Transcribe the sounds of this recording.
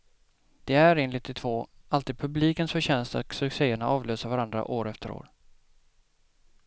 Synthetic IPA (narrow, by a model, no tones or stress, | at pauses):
d̪̥ɛæɾeːnlɪt̪ʰːɪt̪ʰvoːʔalt̪iːd̪̚pʰɵbliːkənsfœɕɛnst̪a̰t̪sɵkseːəɳaʔɑːvløːsavaɾand̪ɾa̰ʔoːɾɛft̪əɾo̰ːɾ